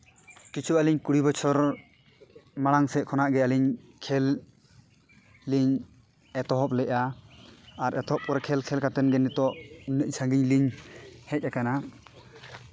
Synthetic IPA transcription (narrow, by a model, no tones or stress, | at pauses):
kit͡ʃʰualiɲkuɽibɔt͡ʃʰɔɾ | maɽaŋsɛʔ̚kʰɔnaʔɡɛaliɲ | kʰɛl | iɲ | ɛt̪ɔɦɔp̚lɛʔaː | ɾɛt̪ɔɦɔp̚kɔɾakʰɛlkʰɛlkat̪ɛnɡɛnːit̪ɔʔunːəʔt͡ʃʰaŋɡiɲliɲhɛc̚ˀakana